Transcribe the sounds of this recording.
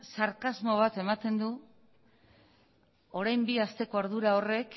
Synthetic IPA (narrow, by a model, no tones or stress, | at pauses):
saɾkazmo̞β̞at̪e̞mat̪e̞nd̪u | o̞ɾajmbiast̪e̞ko̞aɾðuɾao̞re̞k